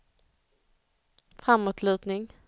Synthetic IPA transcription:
fɾamːoːt̪ʰlʉ̟ːt̪nɪŋ

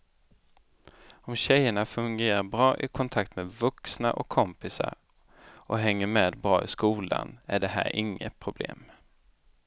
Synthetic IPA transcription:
ɔmɕɛjːəɳafɵŋɡeːɾaɾbɾɑːʔɪkʰɔnt̪ʰakt̪meːd̪vɵksnaʔɔkʰːɔmpɪsa̰ɾ | ʔɔɦɛŋːəmeːd̪bɾɑːɪskuːla̰næɖɛɦæ̰ːɾʔɪŋːət̪̚pʰɾʊblḛːm

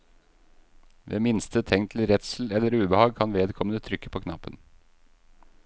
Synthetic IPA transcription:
ʋḛːmɪnst̪ʰət̪ʰɛŋt̪ʰl̩ɾɛt̪sl̩ɛlːəɾʉːbəhɑːɡ̚kʰɑnʋeːd̪kʰɔmənət̪ʰɾʏkːə̥pʰoːkʰnɑ̰pːən

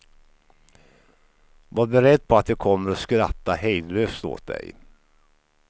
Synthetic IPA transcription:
vaːɾbɛɾɛd̪ːpʰɔat̪jɑːkʰɔmːəɾɔskɾat̪ːahɛjd̪løːst̪o̰ːt̪̚d̪ɛ̰j

